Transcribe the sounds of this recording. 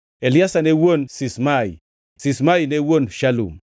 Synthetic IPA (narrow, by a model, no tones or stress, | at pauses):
eliasanewonsismaj | sismajnewonʃalṵm